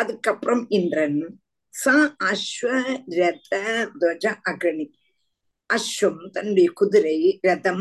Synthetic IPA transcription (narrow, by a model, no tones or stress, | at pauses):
ɐðɯkːɐpːɾɐmɪndɾɐn | sãːɐʃʋɐɾɛd̪ɐd̪oːd͡ʒɐʔɐɡɐɳi | ɐʃʋɐmt̪ɐnɽikʊðʊɾɐjɾɛd̪ɐm